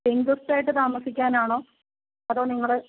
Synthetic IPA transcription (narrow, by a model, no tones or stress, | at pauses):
eŋɡustaːjiʈːɨt̪aːmɐsikʲːaːnaːɳo̞ː | ɐðo̞ːniŋːɐɭe